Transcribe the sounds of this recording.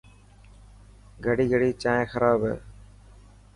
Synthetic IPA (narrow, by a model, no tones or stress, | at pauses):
ɡʱəɽiːɡʱəɽiːt͡ʃaːẽːxəɾaːbɦɛ̰ː